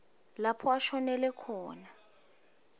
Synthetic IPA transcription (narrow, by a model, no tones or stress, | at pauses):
lapʰɔaʃɔnɛlɛkʰɔːna